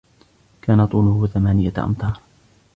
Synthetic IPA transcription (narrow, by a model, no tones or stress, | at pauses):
kaːnat̪ˤuːnʊhʊθamaːnɪjaʔɑ̰mt̪ˤɑːɾˤ